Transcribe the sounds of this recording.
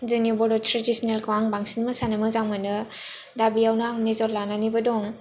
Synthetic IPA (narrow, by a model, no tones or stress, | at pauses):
zɯnibɔdɔtɾedisnelkʰwaŋbaŋsinməsanɯmɯzaŋmɯnɯ | dabijawnaŋmezɔɾlananibɯdɔŋ